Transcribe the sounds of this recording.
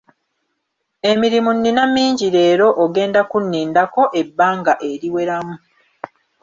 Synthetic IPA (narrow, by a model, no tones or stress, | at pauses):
e̞miɾimunːinamːiːɲɟiɾe̞ːɾo̞ʔoɡe̞ːndakunːiːndako̞ʔe̞bːaːŋɡaʔe̞ɾiwe̞ɾamu